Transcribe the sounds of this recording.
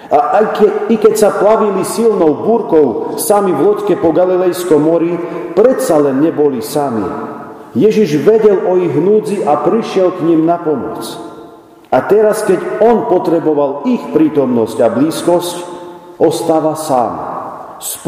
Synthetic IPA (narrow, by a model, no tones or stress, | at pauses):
aʔikɛcsaplaʋilisilnɔʊbuːɾkɔʊsamiʋlɔckɛpɔɡalilɛjskɔmːɔɾipɾɛt̪salɛnːɲɛbɔlisamḭ | jɛʒiʒʋɛɟɛlɔiɣɦnuːd͡ziʔapɾiʃɪɛlkɲimnapɔmɔ̰t͡s | at̪ɛɾaskɛɟɔnpɔt̪ɾɛbɔʋalixpɾiːt̪ɔmnɔscabliːskɔscɔst̪aːʋasa̰ːm | sp